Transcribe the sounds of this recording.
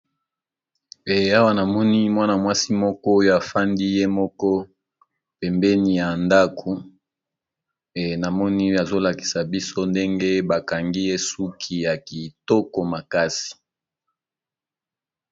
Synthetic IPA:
e˨a˦wa˦na˨mɔ˦ni˦mwa˦na˨mwa˦si˦mɔ˦kɔ˦o˦jo˦a˨fa˦ndi˦je˦mɔ˦kɔ˦ | pɛ˨mbɛ˦ni˨ja˨nda˦ku˨ | e˨na˨mɔ˦ni˦a˨zo˦la˨ki̥˨sa˨bi˦so˦nde˦ŋɡe˦ba˨ka˨ŋɡi˦je˦su˦kʰi˨ja˨ki˨tɔ˦ko˨ma˨ka˦si̥˨

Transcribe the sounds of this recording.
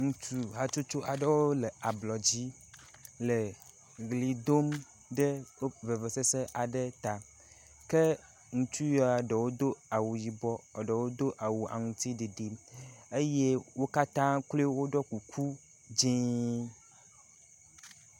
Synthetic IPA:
ŋũ˨t͡ʃu˨ɦa˨t͡ʃo˦t͡ʃo˦ʔa˨ɖə˦wo˦le˨a˨blɔ˨d͡ʑi˦ | le˨ | ɡli˨d̪o˦m | ɖə˦ve˨ve˨se˦se˦ʔa˨ɖə˦t̪a˨ | ke˦ | ŋũ˨t͡ʃu˦jɔ˨˦a˨ɖə˨wo˦d̪o˦a˨wu˨ji˨bɔ˦ɔ˨ɖə˨wo˦d̪o˦ʔa˨wu˨ʔa̰˨ŋũ˨t̪i˦ɖe˨ɖi˨me˦je˦wo˦ka˦t̪ã˦kle˦wo˦ɖɔ˦ku˨kʰu˦ | d͡ʒĩ˦

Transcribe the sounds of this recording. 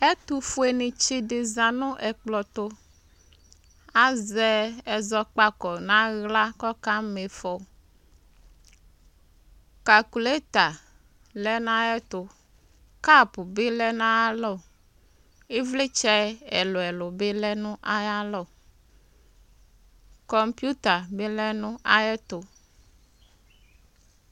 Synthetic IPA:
ɛ˦t̪u˨fu˦e˨nĩ˨t͡ʃi˦de˨zã˨nʊ̃˦ʔɛ˨k͡plɔ˨t̪o˦ | a˦zɛ˦ɛ˨zɔ˦k͡pa˦kɔ˨nã˦ɣla˦kɔ˦ka˦me˨fɔ˨ | ka˨ku˨le˦t̪a˨ | lɛ˦nã˦ɛ˦t̪o˨ | ka˦˨pu˨be˦lɛ˦na˦ja˦lɔ˦˨ | e˦vle˦t͡ʃɛ˦ɛ˨lo˨ɛ˨lo˨be˦lɛ˦nũ˦ʔa˦ja˦lɔ˦˨ | kɔ˦mpju˦t̪a˨be˦lɛ˦nũ˦ʔa˦jɛ˦t̪o˨

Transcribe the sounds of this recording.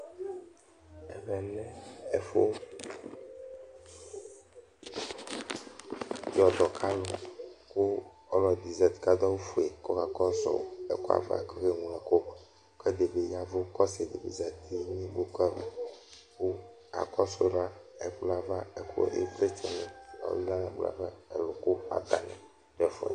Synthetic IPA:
ɛ˨mɛ˨lɛ˦ɛ˨fo˦ | jɔ˨d̪ɔ˨kʰa˦lo˨ko˦ | ɔ˦lɔ˨d̪i˨zɛ˨t̪i̥˨ka˦d̪ɔ˦wu˦fu˨e˨kɔ˦ka˨kɔ˦sɔ̰˨ɛ˨ko˦a̰˨va̰˦˨kɔ˦xe˦ŋũ˦ɛ˨ko˦ | kɛ˦d̪e˨be˨ja˨vo˦kɔ˦se˨d̪e˨bḛ˨zɛ˨t̪i˨mĩ˦bo˦kɛ˦˨ | ko˦ | a̰˨kɔ˦so˦ɖa˦ɛ˨bla˨va˦ɛ˨kṵ˦˨ʔḛ˦bɾe˦t͡ʃɛ˨nɛ̃˨ɔ̰˨li˦la˦lã˨bla̰˨va˦ɛ̰˨lo˨ko˦a̰˨d̪a̰˨nɛ̰̃˨ | dɛ˦˨fɔ̰˨ɛ̰˨

